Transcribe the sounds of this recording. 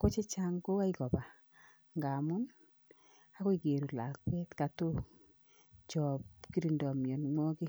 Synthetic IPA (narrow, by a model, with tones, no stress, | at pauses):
ko˦t͡ʃe˦t͡ʃa˦ŋko˦a˦i˦kɔ˨ba˨ | ŋɡa˨mʊ˦n | a˦ko˦i˨ke˨ɾu˨la̰˨kwe˦tka˨to˦ | t͡ʃɔ˨pki˦ɾi˨ndɔ˨mjɔ˨nmwɔ˦ki˦